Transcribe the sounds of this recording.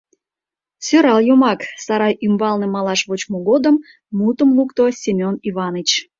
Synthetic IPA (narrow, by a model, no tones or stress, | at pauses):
søɾɑljomɑksɑɾɑjʔymbɑlnĕmɑlɑʃβot͡ɕmoɣod̪əmː | ut̪əmlukt̪osʲimʲoniβɑnət͡ɕ